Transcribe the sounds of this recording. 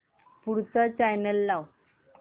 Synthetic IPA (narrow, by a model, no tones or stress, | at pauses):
puɽt͡sat͡ɕajnəlːaw